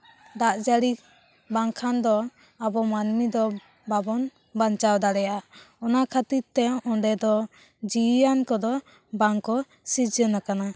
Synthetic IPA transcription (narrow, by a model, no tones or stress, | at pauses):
d̪aʔd͡ʒaɽi | baŋkʰand̪ɔ | abɔmanmid̪ɔ | babɔn | bant͡ʃawd̪aɽɛja | ɔnakʰat̪iɾt̪ɛɔɳɖɛd̪ɔ | d͡ʒijankɔd̪ɔ | baŋkɔ | sid͡ʒənakana